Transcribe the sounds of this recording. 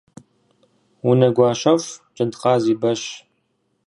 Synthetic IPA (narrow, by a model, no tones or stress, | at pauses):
unɐɡʷɑːʃɐft͡ʃʼɨntqɑːziːbɐɕ